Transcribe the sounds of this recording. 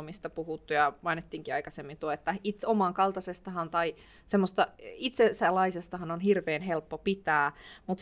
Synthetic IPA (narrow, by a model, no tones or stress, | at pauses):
mist̪ɑpuhut̪ːujɑmɑinet̪ːiːŋkiɑikɑsemːint̪uoet̪ːæit̪omɑŋkɑlt̪ɑsest̪ɑhɑnt̪ɑi | semːost̪ɑit̪sesælːɑisest̪ɑhɑnonɦirʋeːnɦelpːopit̪æːmut̪